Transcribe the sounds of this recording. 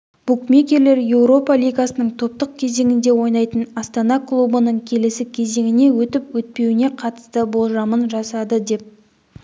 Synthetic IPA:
b̥ukmʲekʲe̞ɾle̞ɾje̞wɾo̞pɑlʲijɡasənəɴt̪ʰo̞p̚t̪əq̚kʲʰe̞ze̞ŋʲɪnd̪e̞wo̞jnɑjt̪ənɑst̪ɑnɑklˠubənəɴkʲʰe̞lesɪkʲʰe̞ze̞ŋɪne̞wɵt̪ɪpwɵt̪̚pe̞wɪne̞qʰɑt̪ə̥st̪əbo̞lˠʒɑmənʒɑsɑd̪əd̪e̞p̚

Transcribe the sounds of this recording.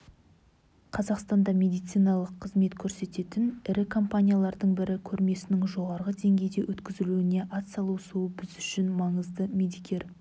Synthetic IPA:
qʰɑzɑqst̪ɑnd̪ɑmʲe̞d̪ijt̪sijnɑlˠəqʰːəzme̞t̪kʲʰɵɾse̞t̪e̞t̪ɪnɪɾɪkʰo̞mpanʲijalˠɑɾd̪əɴbɪɾɪkʲʰɵɾme̞sɪnɪŋʒo̞ʁɑɾʁəd̪e̞ŋɡʲe̞jd̪e̞wʔɵt̪kʲɪzɪluɪne̞ʔɑt̪sɑlˠusuəbɪzʏʃɪnmɑɴəzd̪əmʲe̞d̪ijkʲʰe̞ɾ

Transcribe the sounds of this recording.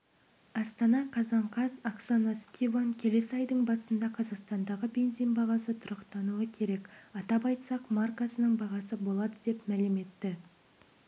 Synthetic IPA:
ɑst̪ɑnɑqʰɑzɑɴqʰɑzaksanaskʲʰivaŋkʲʰe̞le̞səɑjd̪əɴbɑsənd̪ɑqʰɑzɑqst̪ɑnd̪ɑʁəbe̞nzijnbɑʁɑsət̪ʰʊɾɑqt̪ɑnuəkʲʰe̞ɾe̞kʲɑt̪ɑpɑjt̪sɑqmarkasənəɴbɑʁɑsəbo̞lˠɑd̪əd̪e̞pmælɪme̞t̪ːɪ

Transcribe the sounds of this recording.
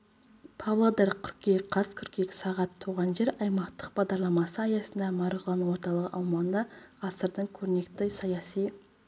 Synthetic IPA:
pʰɑvlˠod̪eɾkʲʰʏɾkʲeqʰɑzkʲʰʏɾkʲekʲɪ̥sɑʁɑt̪ʰːuʁɑnʒe̞ɾɑjmɑqt̪ə̥q̚bɑʁd̪ɑɾlˠɑmɑsəɑjɑsənd̪ɑmɑɾʁəlˠɑnuwo̞ɾt̪ɑlˠəʁəʔɑwmɑnd̪ɑʁɑsəɾd̪əɴkʲʰɵɾne̞kt̪ɪsɑjɑsij

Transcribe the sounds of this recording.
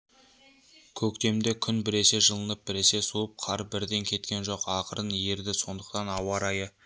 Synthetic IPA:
kʲʰɵkt̪e̞md̪ekʲʰʏnbɪɾe̞se̞ʒəlˠənəp̚bɪɾe̞se̞suəp̚qʰɑɾbɪɾd̪e̞ŋkʲʰe̞t̪kʲe̞nʒo̞qɑqʰəɾənje̞ɾd̪ɪso̞nd̪əqt̪ɑnɑwɑɾɑjə

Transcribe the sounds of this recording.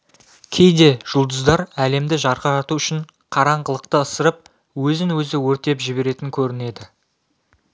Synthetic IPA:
kʲʰe̞jd̪e̞ʒ̥ʊlˠd̪əzd̪ɑɾæle̞md̪ɪʒɑɾʁɑɑt̪uʏʃɪɴ | qʰɑɾɑɴʁəlˠəq̚t̪əəsəɾəp̚ | wɵzɪnwɵzɪwɵɾt̪e̞pʒɪbe̞ɾe̞t̪ɪŋkʲʰɵɾɪne̞d̪ɪ

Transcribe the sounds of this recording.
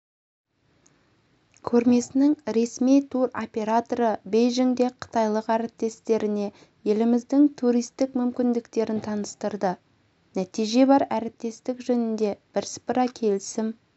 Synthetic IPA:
kʲʰɵɾme̞sɪnɪŋɾe̞smijt̪ʰuɾopʲe̞ɾat̪oɾəbe̞jʒɪŋd̪e̞qʰə̥t̪ɑjlˠəqæɾɪp̚t̪e̞st̪e̞ɾɪne̞ | je̞lɪmɪzd̪ɪŋt̪ʰuɾijst̪ɪkmʏmkʲɪnd̪ɪkt̪e̞ɾɪnt̪ʰɑnəst̪əɾd̪ə | næt̪ijʒe̞bɑɾæɾɪp̚t̪e̞st̪ɪkʒɵnɪnd̪e̞b̥ɪɾspɾɑkʲʰe̞lɪsɪm

